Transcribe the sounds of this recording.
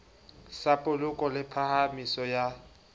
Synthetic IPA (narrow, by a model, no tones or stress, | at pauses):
sapʼʊlʊkʼɔlɪpʰahamisɔja